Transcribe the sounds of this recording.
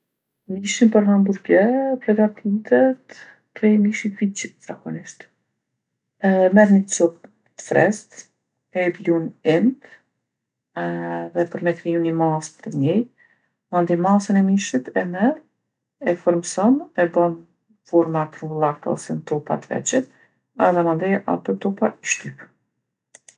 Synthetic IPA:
miʃinpəɾɦambuɾɡɛpɾɛɡat̪ʰit̪ɛt̪ | kɾɛjmiʃit̪vid͡ʒizakɔniʃt̪ | mɛðnit͡sup̚ | t̪ə̥fɾɛst̪ | ɛblunɛnt̪ | ɛðɛpəɾmɛt̪ɾijunimaspt̪ɲɛj | mand̪imasənɛmiʃit̪ɛmɛð | ɛfɔɾmsɔnɛbɔn | fɔɾmat̪ɾumbulˠakt̪a̰ɔ̰sɛnt̪ɔpa̰t̪əvɛ̰t͡ʃət̪̚ | ɛðɛmand̪iʔa̰t̪ɔt̪ɔpaʃt̪yp

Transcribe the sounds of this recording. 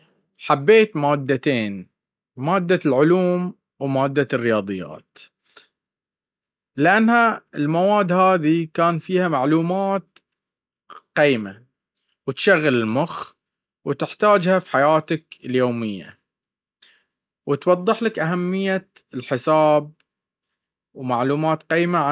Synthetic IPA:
ħabːeːt̪maːd̪ːat̪eːn | maːd̪ːalʕʊluːm | wmaːd̪ːarːɪjɑːd̪ˤɨjːa̰ːt̪ | lɪʔanhaɪlmawaːd̪ːhaːðikaːnfiːhamaʕluːmaːt̪̚ | qiːma | wɪt̪ʃaɣːalɪlmʊx | wt̪ɪħt̪aːd͡ʒhafi̥ħajaːt̪akɪljoːmɪjːa̰ | wɪt̪wɑðˤːɨħlakʔaɦamːɪjːa | lħɪsaːb̚ | wmaʕluːmaːt̪qiːmaa

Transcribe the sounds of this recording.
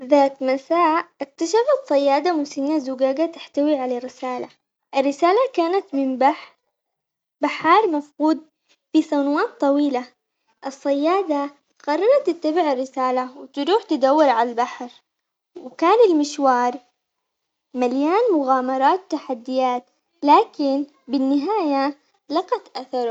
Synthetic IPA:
ðaːt̪masaːʔʔɪk̚t̪aʃafat̪sˤɑjːaːd̪amʊsɪnːazʊɡaːɡat̪ɪħt̪awiʕalarːɪsaːla̰ | ʔɪrːɪsaːlakaːnat̪mɪmbaħɾ | baħɑːɾˤmafquːd̪̚ | fisˤɑnawaːt̪ˤːɑwiːla | ʔɨsˤːɑjːaːd̪a | ɣɑrˤːɑɾˤɑt̪ːɪt̪ːabɪʕɪrːɪsaːlawɪt̪ɾuːħt̪ɪd̪awːɪɾʕalalbaħɾ | wkaːnɪlmɪʃwɑːɾˤ | maljaːnmʊɣaːmɑɾˤɑːt̪t̪ːaħad̪ːɪjaːt̪ | laːkɪn | bɪnːɪɦaːja | lɑqɑt̪ʔaθɑɾˤ

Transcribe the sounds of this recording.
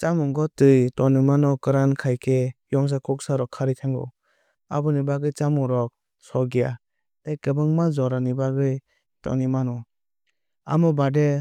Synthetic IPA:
t͡ʃamuŋɡɔtɯjtɔnimanɔkɯɾankʰajkʰejɔŋs̬akʰɔk̚saɾɔkʰːaɾitʰaŋɡɔ̰ | a̰bɯnibaɡɯjt͡ʃamɔɾɔk̚ | sɔɡija | tajkɯbɯŋmazɔɾanibaɡɯj | tɔ̰nimanɔ | a̰mɔbade

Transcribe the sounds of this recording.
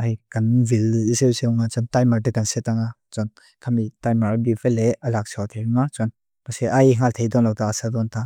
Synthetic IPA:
ʔajkanvilisewseŋat͡sɔnt̪ajmaɹtekansɛt̪aŋat͡sɔn | kʰamitajmaɾbifɛlɛɐlak̚sʰɔt̪ʰejuŋat͡sɔn | pasɛʔajŋ̥alt̪ʰejd̪ɔnlɔwt̪aasad̪ɔnt̪a

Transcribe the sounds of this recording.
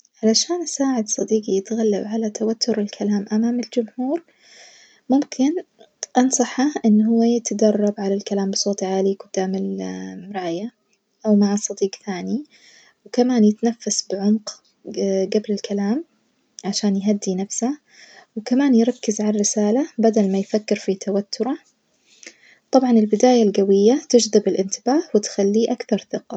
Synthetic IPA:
ʕalaʃaːnʔasaːʕɪd̪sˤɑd̪iːɡijɪt̪ɣalːa̰bʕalat̪awat̪ːʊɾɪlkʰalaːmʔamaːmɪld͡ʒʊmhuːɾ | mʊmkʰɪn | ʔɑnsˤɑħaʔɪnːɦʊwːajɪt̪ad̪ɑrˤːɑbʕalalkalaːmbsˤoːt̪ˤʕaːliɡʊd̪̥ːaːmɪlɾˤɑːja | ʔawmaʕasˤɑd̪iːɡθaːni | wkamaːnjɪt̪nafːasbɪʕʊmq | ɡablɪlkalaːm | ʕaʃaːnjɦad̪ːinafsa | wkamaːnjɾˤɑkːɪzʕalɾɪsaːlabad̪almajfakːɪɾfit̪ʰawat̪ʰːʊɾˤɑ | t̪ˤɑbʕɑnɪlbɪd̪aːjalɡawɪjːat̪ɪd͡ʒðɪbɪlʔɪnt̪ɪbaːhwɪt̪xalːiʔakθɑɾˤθɪqɑ

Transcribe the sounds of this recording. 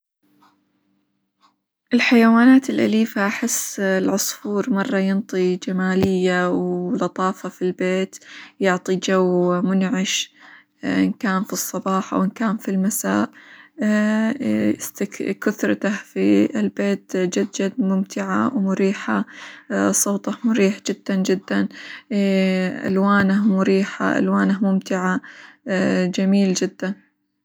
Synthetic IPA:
ʔɪlħajawaːnaːt̪ɪlʔa̰liːfaʔaħɪsːlʕʊsˤfuːɾmɑrˤːɑjɪnt̪ˤid͡ʒamaːlɪjːawlɑt̪ˤɑːfɑfilbeːt̪jʊʕt̪ˤid͡ʒawmʊnʕɪʃ | ʔɪnkaːnfisˤːɑbɑːħɑ̰wɪnkaːnfilmasaːʔ | st̪kʊθɾˤɑt̪ahfiɪlbeːt̪d͡ʒad̪d͡ʒad̪̚mʊmt̪ʰɪʕa̰wmʊɾiːħa | sˤoːt̪ˤɑhmʊɾiːħd͡ʒɪd̪̥ːand͡ʒɪd̪ːan | ʔa̰lwaːnahmʊɾiːħa̰ʔa̰lwaːnahmʊmt̪ɪʕa | d͡ʒamiːld͡ʒɪd̪ːan

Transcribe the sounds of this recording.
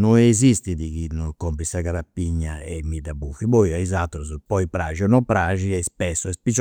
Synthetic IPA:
nɔɛzist̪id̪ikinɔkɔmpɾisaɡaɾapːiɲːaɛmid̪abufibojaizat̪ːɾuzpɔjpɾaʒiɔnɔpɾaʒiɛspɛsːɔɛspit͡ʃ

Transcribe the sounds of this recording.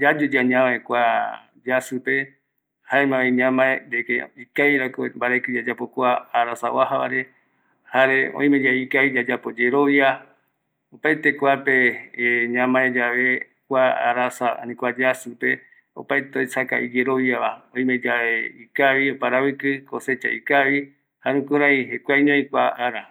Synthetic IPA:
d͡ʒad͡ʒud͡ʒaɲãβaekʷa | d͡ʒasɨpe̞ | haemãβẽɲãmãeɾekeikajɾakombaɾakɨd͡ʒad͡ʒapokʷaːɾasa̰waɦaβa̰ɾe | haɾeõ̰ĩmẽd͡ʒaikaβid͡ʒad͡ʒapo̞d͡ʒeɾoβja | opajt̪ekʷapeɲãmãẽd͡ʒaβe | kʷaa̰ɾasaa̰nĩkʷad͡ʒasɨpe̞ | o̰pajt̪eojsaka̰ʔid͡ʒeɾoβjaβaõĩmed͡ʒaeikaβiopaɾaβɨkɨkose̞t͡ʃa̰ikaβi | haɾũkɨɾãĩɦekʷajɲõĩkʷa̰ʔaɾa

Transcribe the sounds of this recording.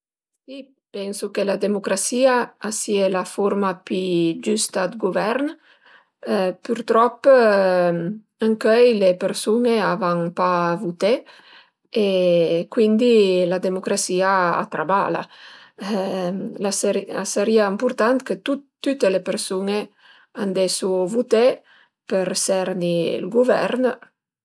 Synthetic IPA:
si | pɛnsukelad̪emukɾasiaːsielafoɾmapyd͡ʒyst̪ad̪ɡuvɛɾn | pyɾt̪ɾɔpː | əŋkœjlepeɾsuneavaŋpavut̪e | ekwind̪ilad̪emokɾasiaa̰t̪ɾaba̰la̰ | lasɾasəɾiaimpuɾt̪ant̪kət̪ut̪ːyt̪elepeɾsune | and̪esuvut̪e | pəɾsɛɾnḭlɡuvɛ̰ɾn

